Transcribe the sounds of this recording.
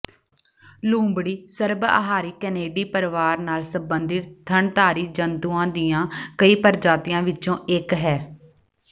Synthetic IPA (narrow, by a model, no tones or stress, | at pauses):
lũːmbɽiːsəɾba̰ɦaːɾiːkɛneːɖiːpəɾʋaːɾnaːlsəbənd̪ɪt̪t̪ʰəɳt̪aːɾiːd͡ʒənt̪uːãːd̪ɪjãːkəiːpəɾd͡ʒaːt̪ɪjãːʋɪt͡ʃõːɪkɦɛː